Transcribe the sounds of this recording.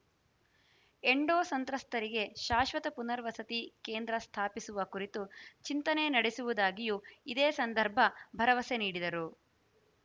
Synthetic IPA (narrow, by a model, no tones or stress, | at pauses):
eɳɖoːsɐnt̪ɾɐst̪ɐɾiɡe̞ʃaːʃʋɐt̪ɐpunɐɾʋɐsɐt̪ikeːnd̪ɾɐst̪ʰaːpisuʋɐkuɾit̪ut͡ʃint̪ɐne̞nɐɽesuʋud̪aːɡijuid̪eːsɐnd̪ʱɐɾbʱɐbʱɐɾɐʋɐse̞niːɽid̪ɐɾu